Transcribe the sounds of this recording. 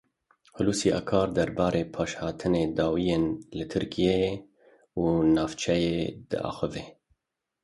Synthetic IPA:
hʊluːsiːʔɑ̰ːkʰɑːɾd̪ɛɾbɑːɾeːpʰɑːʃhɑːt̪ʰɨneːd̪ɑːwijeːnlɨt̪ʰɨɾkʰije | unɑːvt͡ʃʰɛjed̪̥ɨ̰ʔɑ̰ːxɨveː

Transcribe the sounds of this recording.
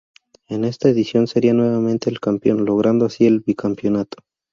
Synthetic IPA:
e̞ne̞st̪aeðisjo̞nseɾianwe̞βamẽnt̪eːlkampjo̞nlo̞ɣ̞ɾʔand̪oasie̞lβikampjo̞nat̪o̥

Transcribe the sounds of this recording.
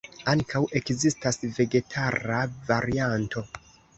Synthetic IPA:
aŋkʰawe̞kzistasve̞ɡe̞tʰaɾavaɾiantʰo̞

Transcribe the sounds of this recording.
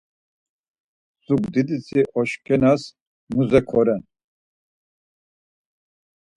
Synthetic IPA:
suɡd̪id̪it͡sʰiʔɔʃkʰʼɛnas | muzɛkʰɔɾɛn

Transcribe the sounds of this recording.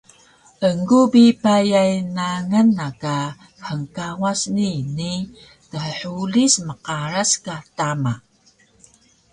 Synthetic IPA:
ʔəŋɡubipajajnaŋənːaka | ħəŋkawasnini | təħəħulisməqaɾaskatama

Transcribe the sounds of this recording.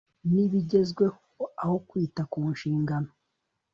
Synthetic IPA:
niβiɟe̞zɡwe̞hoaho̞kwiːtakuːnʃiːŋɡano

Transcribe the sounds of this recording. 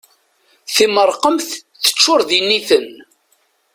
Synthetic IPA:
θiməɾˤqəmθθə̥t͡ʃːʊɾðinːiθən

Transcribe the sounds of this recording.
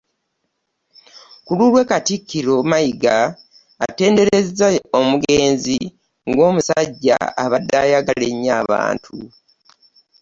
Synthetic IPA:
kululwe̞katikːiɾo̞majiɡa̰ː | te̞ːnde̞ɾe̞zaomuɡe̞ːnzi | ŋɡo̞ːmusaɟːa̰aβadːaːjaɡaleɲːaːβa̰ːntʰṵ

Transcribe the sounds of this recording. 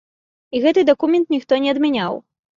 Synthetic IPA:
iɣɛt̪ɨd̪ɐkumʲɛnt̪nʲixt̪ɔnʲɛɐd̪mʲanʲaw

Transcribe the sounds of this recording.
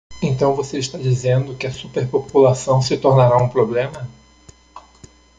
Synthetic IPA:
ẽt̪ɐ̃w̃voseɪʃt̪ad͡ʒizẽnd̪ʊkɪɐsupeɾpopulasɐ̃w̃sɪt̪oɾnaɾaũpɾoblẽmɐ

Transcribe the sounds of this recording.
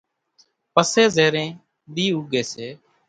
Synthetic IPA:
pəseːzeːɾẽː | ɗ̪iːuɡʱeːseː

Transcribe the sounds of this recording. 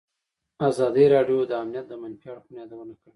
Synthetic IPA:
azɑd̪iɾɑɖjod̪əamnijat̪̚d̪əmanfjɑɽpunjɑd̪awənakəɽi

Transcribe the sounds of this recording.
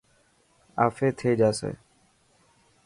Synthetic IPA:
a̰ːfeːt̪ʰeːd͡ʒaːsḛː

